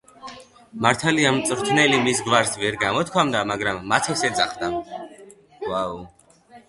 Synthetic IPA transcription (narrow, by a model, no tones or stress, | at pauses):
maɾt̪ʰaliamt̪sʼɾt̪ʰnɛlimisɡvaɾsvɛɾɡamɔt̪̚kʰamd̪amaɡɾamːat̪ʰɛsɛd̪za̰χd̪a | ɡwau